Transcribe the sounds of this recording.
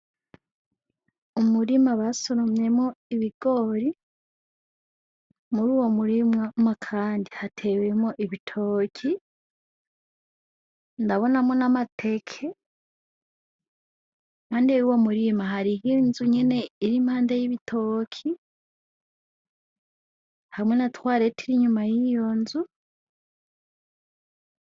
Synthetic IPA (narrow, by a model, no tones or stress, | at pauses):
umuɾimaβasoɾomɲe̞mŋo̞iβiɡ̥o̞ːɾi | muɾuːwo̞muɾimŋamakʰaːndihatʰe̞ːwe̞mŋoʔiβitʰoːkʰi | ndaβo̞namŋo̞namatʰe̞kʰe | maːndiejuwomuɾimaɦaɾihinzuɲe̞ne̞iɾimhaːndajiβitʰockʰi | hamŋe̞natwaːɾetʰiɾiɲumajijo̞nzu